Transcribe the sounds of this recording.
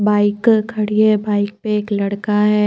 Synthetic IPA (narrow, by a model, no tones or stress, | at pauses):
baːɪkkʰːɐɽiɛbaːɪk̚peeːklɐɽkaɦɛː